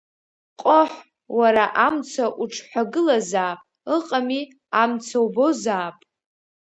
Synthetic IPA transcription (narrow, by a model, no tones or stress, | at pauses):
qʼoħʷ | waɾaʔamt͡sʰaʔuʈ͡ʂʰħʷᶣaɡɨlazaːpʼ | ɨqʼami | amt͡sʰawbo̞zaːpʼ